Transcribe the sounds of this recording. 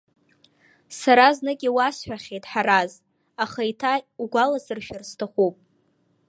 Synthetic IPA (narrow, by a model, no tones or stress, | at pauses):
saɾaznɨɡʲiwasħʷᶣaχʲejtʼħaɾaz | aχajtʰauɡʷalazɨrʃᶣarstʰaχʷupʼ